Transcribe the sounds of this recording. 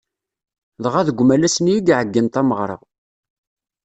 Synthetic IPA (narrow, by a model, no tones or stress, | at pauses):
ðʁæðəɡʷmælæsənjiɡʕəɡːint̪æməʁɾˤɑ̰